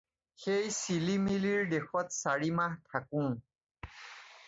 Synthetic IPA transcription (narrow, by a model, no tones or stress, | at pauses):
xejsilimiliɹdexɔtsaɹimahtʰakʊ̃